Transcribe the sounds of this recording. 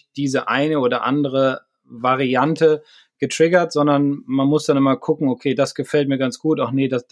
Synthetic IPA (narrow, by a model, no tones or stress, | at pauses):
d̥iːzəʔaɪnəoːdɐʔa̰ndəʁə | vaʁiantʰə | ɡ̥ətʁ̥ɪɡɐtz̥ɔndɐnmanmʊsd̥anɪmɐkʰʊkŋ̩okʰeːdasɡ̥əfɛlt̚miːɐɡant͡sɡ̥uːtaʊxneːdas